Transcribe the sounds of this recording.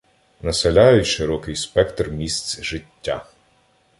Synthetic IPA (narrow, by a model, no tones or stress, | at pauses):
nɐselʲajʊtʲʃɪɾɔkɪjspɛkt̪rmʲist̪sʲʒɪtʲːa̰